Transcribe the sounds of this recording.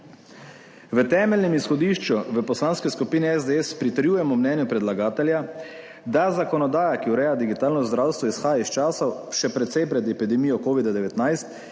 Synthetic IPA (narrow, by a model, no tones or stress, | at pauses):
ʋət̪ɛːmɛlnɛmisxɔd̪iːʃt͡ʃuʋəpɔslaːnskɛskupiːnɛɛzd̪eɛspɾit̪əɾjujɛmɔmnɛːnjupɾɛd̪laɡaːt̪ɛlja | d̪azakɔnɔd̪aːjakiuɾɛːjad̪iɡit̪aːlnɔzd̪ɾawst̪ʋɔisxaːjaist͡ʃaːsɔʃɛpɾɛt̪sɛjpɾɛd̪ɛpid̪ɛmijɔkoːʋid̪ad̪ɛʋɛt̪najst̪